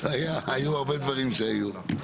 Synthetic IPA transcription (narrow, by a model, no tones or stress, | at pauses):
ajaːjuaʁbed̪vaʁimʃeaju